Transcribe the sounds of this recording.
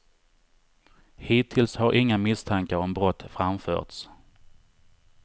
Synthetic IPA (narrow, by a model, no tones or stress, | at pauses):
hiːt̪ʰːɪlshaɾʔɪŋːamɪst̪ʰaŋkəɾɔmbɾɔt̪ːfɾamfœ̰ːʈ̪s